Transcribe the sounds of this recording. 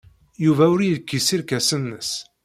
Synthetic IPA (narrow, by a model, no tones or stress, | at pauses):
juvæʊɾjəðkːisiɾkæsənːəs